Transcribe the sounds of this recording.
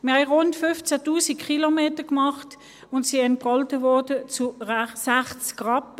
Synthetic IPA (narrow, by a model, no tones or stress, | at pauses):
miʁhɛʁʊntfʏft͡sætuːsikʰχilomeːtəkmɑχt | ʊntsiɛnt̚pʁɑltəvɔɐdət͡suʁasæχt͡skʁɑp